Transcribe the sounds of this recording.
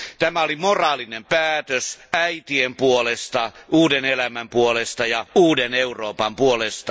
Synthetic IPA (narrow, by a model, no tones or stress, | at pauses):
t̪æmæolimorɑːlinempæːt̪øsæit̪iempuolest̪ɑuːdenelæmæmpuolest̪ɑjɑuːdeneuroːpɑmpuolest̪ɑ